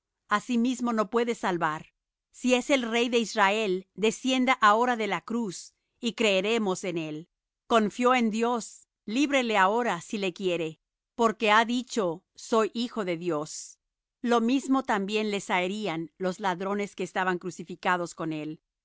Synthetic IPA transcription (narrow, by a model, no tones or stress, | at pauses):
asimizmo̞no̞pwe̞ðe̞salβaɾ | sie̞se̞lre̞jðe̞izrae̞ld̪e̞sje̞nd̪aʔao̞ɾaðe̞lakɾus | ikɾe̞ːɾe̞mo̞se̞ne̞l | ko̞ɱfjo̞e̞nd̪jo̞s | liβɾe̞le̞ao̞ɾasilekje̞ɾe̞ | po̞ɾke̞aðit͡ʃo̞ | so̞jʔixo̞ðe̞ðjo̞s | lo̞mizmo̞t̪ambje̞nle̞saeɾianlo̞zlaðɾo̞ne̞skeːst̪aβaŋkɾusifikað̞o̞sko̞ne̞l